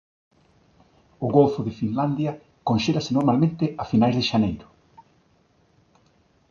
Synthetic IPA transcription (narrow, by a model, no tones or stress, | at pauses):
ʊɣolfʊðɪfinland̪jɐ | konʃelasɪnoɾmalmẽnt̪ɪafinajzðɪʃanejɾʊ